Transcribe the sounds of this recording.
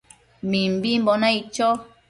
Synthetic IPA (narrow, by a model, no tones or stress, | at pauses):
mim̩bim̩bɔnait͡ʃɔ